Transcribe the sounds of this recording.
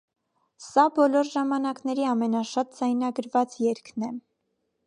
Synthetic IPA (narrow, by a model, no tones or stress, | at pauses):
sɑbɔlɔɾʒɑmɑnɑknɛɾiɑmɛnɑʃɑt̪̚d͡zɑjnɑɡəɾvɑt͡sjɛɾkʰnɛ